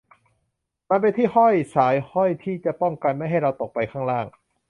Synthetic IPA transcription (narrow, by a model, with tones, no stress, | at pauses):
ma˧np̬e˧nt̪ʰiː˥˩hɔ˥˩jsaː˩˦jhɔ˥˩jt̪ʰiː˥˩t͡ɕa˨˩pɔ˥˩ŋka˧nma˥˩jɦa˥˩jɾa˧wt̪o˨˩k̚pa˧jkʰaː˥˩ŋɾaː˥˩ŋ